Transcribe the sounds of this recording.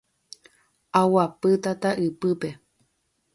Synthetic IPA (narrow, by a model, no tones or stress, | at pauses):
awapɨt̪at̪aʔɨpɨpe̞